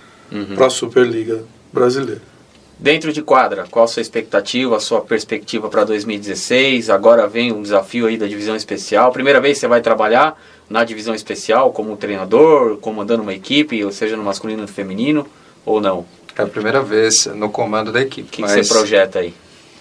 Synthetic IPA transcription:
pɾɐsupeɾliɡɐ | bɾazilejɾɐ | d̪ẽnt̪ɾʊd͡ʒɪkwad̪ɾɐkwawɛsuɐispek̚t̪at͡ʃivɐːsuɐpeɾspek̚t͡ʃivɐpɾɐd̪ojzmiwid͡ʒɪzesejzaɡɔɾɐvẽj̃ʊ̃d͡ʒɪzafiʊaid̪ɐd͡ʒivizɐ̃w̃ispesiawpɾimejɾɐvejssevajt̪ɾabaʎaɾ | nɐd͡ʒivizɐ̃w̃ispesiawkõmʊũt̪ɾejnad̪oɾkõmʊɐ̃nd̪ɐ̃d̪ũmɐekipɪoseʒɐnʊmaskulĩnʊʊfemĩnĩnʊ | ownɐ̃w̃ | ɛɐpɾimejɾɐveznʊkomɐ̃nd̪ʊd̪ɐekipɪkɪkksepɾoʒɛt̪ʊai

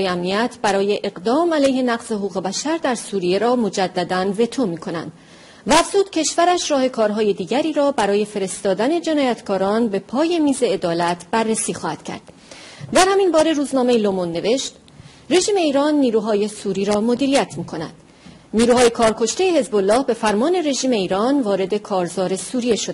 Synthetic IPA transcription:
jeæmniæt̪ʰbæɾɒːje̞ʔeɣɢd̪ɒːmælejhe̞næɣz̥ehoɣuːɣe̞bæʃæɾd̪æɾsuːɾije̞ɾɒːmo̞d͡ʒæd̪ːæd̪ænve̞t̪ʰomiːkʰo̞næ̰nd̪̥ | væːfz̥uːd̪̥cʰe̞ʃvæɾæʃɾɒːhe̞kʰɒːɾɦɒːje̞d̪iːɟæɾiːɾɒːbæɾɒːje̞fe̞ɾe̞st̪ɒːd̪æne̞d͡ʒe̞nɒːjæt̪ʰkʰɒːɾɒːnbe̞pʰɒːje̞miːze̞ːd̪ɒːlæt̪ʰb̥ærːesiːxɒːhæd̪̥cʰæ̰ɾd̪̥ | d̪æɾhæminbɒːɾe̞ɾuːznɒːme̞jelomonːe̞ve̞ʃt̪ | re̞ʒiːme̞iːɾɒːnːiːɾuːɦɒːje̞suːɾiːɾɒːmo̞d̪iːɾijæt̪ʰmiːkʰo̞næ̰nd̪̥ | niːɾuːhɒːje̞kʰɒːɾkʰo̞ʃt̪e̞jehe̞zbolːɒːhbe̞fæɾmɒːne̞re̞ʒiːme̞iːɾɒːnvɒːɾe̞d̪e̞kʰɒːɾzɒːɾe̞suːɾije̞ʃod̪

